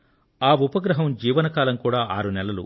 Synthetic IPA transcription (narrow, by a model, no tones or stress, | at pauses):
aːupɐɡɾɐɦɐmd͡ʒiːʋɐnɐkaːlɐmkuːɽaːʔaːɾunɛlɐlṵ